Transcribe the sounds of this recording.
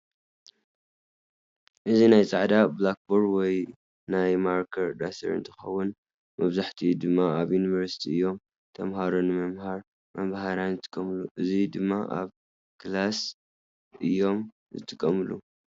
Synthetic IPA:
ʔɨzinajt͡sʼaʕd̪ablak̚boɾwɔj | najmaɾkʰɐɾd̪asʰɐ̰ɾɨ̰nt̪ʰɨ̥xɐ̰wːʊn | mɐβzaħt̪ʰid̪ɨmːaaβjunivɐɾsi̥t̪ʰiɨjːo̞m | t̪ʰɐmhaɾonɨmɐmhaɾ | mɐβhaɾanzɨt̪ʼɨ̥kʼːɐmluʔɨzid̪ɨmːaʔa̰β | klas | ʔɨjːo̞m | zɨt̪ʰʼɨkʼːɐmɨlu

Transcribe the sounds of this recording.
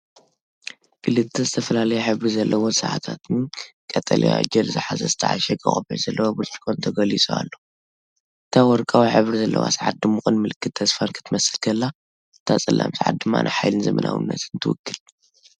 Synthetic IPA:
kʰɨlɨt̪ʰːɐzɨt̪ʰɐfɐlalɐjɛħɨβɾizɐlːɐwosɨʕa̰t̪ʰat̪nikʼɐt̪ʼɐlḭa̰d͡ʒɐlzɨħazɐzɨt̪ʰɐ̰ʕa̰ʃɛkʼɐ̰χʼɐbɨʕz̥ɐlːɐwobɨt͡ʃʼi̥kʰont̪ʰɐɡɐlisʼoa̰lːo̞ | ʔɨt̪ʰawɔɾkʼawiħɨβɾizɐlːɐ̰wa̰saʕat̪̚d̪ɨmːɨxʼɨnmɨlɨkʰːɨt̪̚ʰːɐsfankʰɨ̥t̪ʰɨmɐsɨlkʰɐlːa | ɨt̪ʰat͡sʼɨlʔa̰msaʕa̰t̪̚d̪ɨmːa̰nʔajħajlɨnzɐmɐnʔa̰wɨ̰nːɐ̰t̪nt̪ʰɨwʊ̰kːɨl

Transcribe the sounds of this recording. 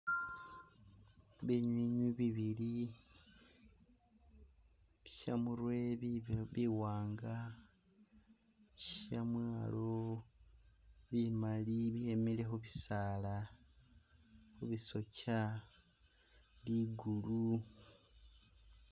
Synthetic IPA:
βiɲwiːɲwiβiβili | βiʃa̰muɾwe̞ββiwaːŋɡa | iʃamwaːlo̞ | βimaliβihemile̞xuβisaːla | xuβiso̞ca | βiɡulu

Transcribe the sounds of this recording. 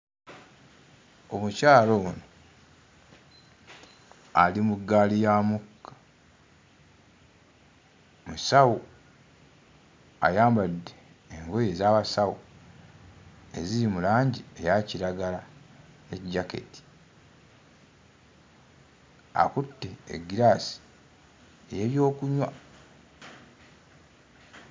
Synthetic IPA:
o̞mucaːlono | alimuɡːaːlijamukːḁ | musawu | a̰jaːmbadːeː | ŋɡo̞je̞zaːβasawu | e̞ziɾimulaːɲɟie̞jaciɾaɡala | ecɟake̞̰ti̥ | a̰kutːe̞̰ːɡiɾasi̥ | eje̞βjo̞ːkuɲwa

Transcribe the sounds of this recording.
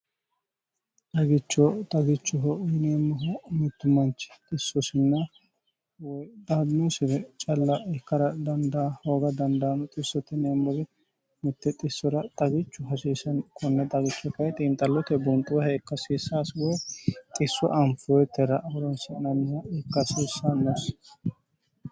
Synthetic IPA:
t̪ɐɡɪt͡ʃːɔt̪ʼɐɡɪt͡ʃːʊɦɔʔneːmːɔɦɔmɪt̪ːʊmɐnt͡ʃɪ̥t̪ʼɪsːɔsɪnːɐ | wɔjd̪ɐd̪nusɪɾɛt͡ʃʼɐlːɐɛkːɐɾɐd̪ɐnd̪ɐhoːɡɐd̪ɐnd̪ɐːnʊt̪ʼɪsːɔt̪ːɛneːmːɔɡɛ | mɪt̪ːɛt̪ʼɪsːɔɾɐt̪ʼɐɡɪt͡ʃːʊɦɐsiːsɐnkʰɔnːɛt̪ʼɐɡɪt͡ʃːɔkɐjt̪ʼiːmt̪ʼɐlːɔt̪ɛbʊnt̪ʼːʊwhɛɪkːɐsiːsːaːswɔt̪ʼɪsːwɔ̰ʔɐmfʊwɔjt̪ːɛɾɐʔwɔɾɔnsɛnɐnːɪjɐɪkːɐsiːsːɐnːɔs

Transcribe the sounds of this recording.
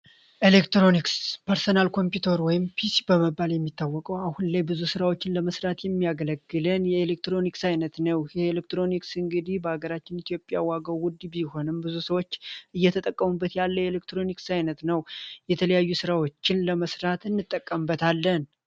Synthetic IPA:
ʔelekt̪ɾo̞nikspəɾsonalkʰo̞mpjut̪ʰəɾwɔjɪmpʰisibəməbːaljɛmːit̪ʰːawːɔkʼəwahunlajbɨzusɨɾawo̞t͡ʃːɪnləməsɾat̪jɛmːijaɡələɡːɨlɨnjɛelek̚t̪ɾo̞niksajnət̪nəwjɛelek̚t̪ɾo̞niksɨŋɡɨd̪ihbəhaɡəɾat͡ʃːɪnit̪jo̞pʼjawaɡəwʊd̪biho̞nɨmbɨzusəwot͡ʃːʔɨjːɛt̪ʰət̪ʼəkʼːəmubːət̪jalːəjelekt̪ɾo̞niksajnət̪nəwjɛt̪ʰələjajːusɨɾawot͡ʃːɪnləməsɾat̪ɨnːɨt̪ʼːəkʼːəmbət̪alːən

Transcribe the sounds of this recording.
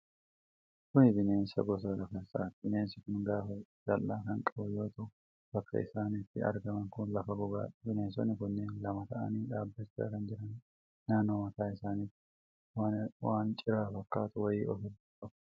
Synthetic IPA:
kʊnɪd̪ɪne̞ːnsɐ̰ɡɔs̬ɐlɐfɐnsa̰ːt̪d̪ɪneːnsɪkʊnɡaːfɐd͡ʒɐlːaːkɐŋkʼɐbjoːt̪ɐ | b̥ɐkːɐ̰ʔɪ̰saːniːt̪ːɪɐ̰ɾɡɐmɐŋkʊnlɐfɐɡɔɡa̰ːd̪ɪneːnsɔnɪkʊnːeːnlɐmɐt̪ɐʔɐ̰niːᶑaːbːɐt͡ʃːa̰ːkɐnd͡ʒɪɾɐn | nːaːnːoːmɐt̪aːɪsaːniːtːɪ | wawaːnt͡ʃʼɪɾaːfɐkːaːt̪ʊwɐjiːʔɔfɪd̪ʊkʼːɐb

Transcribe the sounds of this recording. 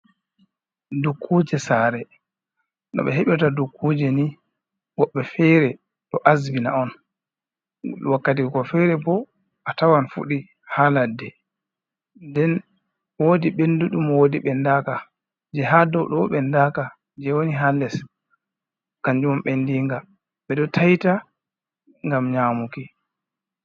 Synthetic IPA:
dukʰːud͡ʒɛsaːɾɛ | ɗɔ̰ɓɛɦeɓɛtadukʰːud͡ʒɛni | wɔɓːɛfɛjɾɛ | ɗɔʔasbina̰ɔn | wakːat̬ikɔfɛɾɛbɔ | ʔatawanfṵɗi | haladːɛ | ndɛn | woːdiɓenduɗumwoːdiɓɛndaka | d͡ʒɛɦadɔwɗɔɓɛndaːka | d͡ʒɛwoniɦalːɛs | kaɲd͡ʒumɔmɓɛndiŋɡa | ɓɛɗɔtʰajta | ŋɡamɲaːmuki

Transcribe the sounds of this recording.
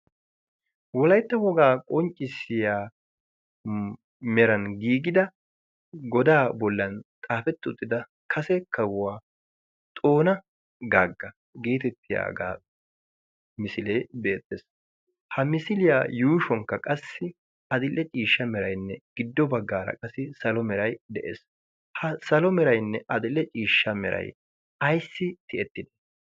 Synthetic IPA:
wɔlɐjt̪ːɐwɔɡaːkʼɔnt͡ʃʼːɪsːɪjaː | mɛɾɐnɡiːɡɪd̪ɐ | ɡɔd̪aːbɔlːɐnt̪ʼaːfɛt̪ːɪʊt̪ʼːɪd̪ɐ | kʰɐsɛkɐwʊwaː | t̪ʼo̞ːnɐ | ɡaːɡːɐ | ɡe̞ːt̪ɛt̪ːɪja̰ːɡa̰ː | mɪsɪleːbe̞ːt̪ːes | hɐmɪsɪlɪjaːjuːʃɔŋkːɐkʼɐsːɪ | ɐd̪ɪlːɛt͡ʃʼiːʃːɐmɛɾɐjnːɛɡ̥ɪd̪ːɔbɐɡːaːɾɐ̰kʼɐsɪsɐlɔmɛɾɐjd̪ɛʔḛːs | hɐsɐlɔmɛɾɐjnːɛʔɐd̪ɪlːɛt͡ʃʼiːʃːɐmɛɾʔɐ̰j | ɐjsːɪt̪ɪɛt̪ːɪd̪ɛ̥

